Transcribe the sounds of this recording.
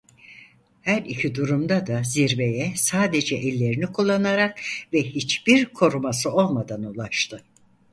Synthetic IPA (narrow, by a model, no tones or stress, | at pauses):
hæɾicʰid̪uɾumd̪ad̪aziɾbe̞jɛsaːd̪e̞d͡ʒɛʔɛlʲːe̞ɾinikʰulˠːanaɾakvɛhit͡ʃb̥iɾkʰo̞ɾumasɯo̞lˠmad̪anulˠaʃt̪ʰɯ